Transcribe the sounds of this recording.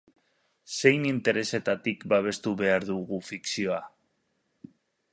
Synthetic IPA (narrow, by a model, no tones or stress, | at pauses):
se̞jnint̪e̞ɾe̞se̞t̪at̪ikbaβ̞e̞st̪uβe̞aɾðuɣufiksio̞a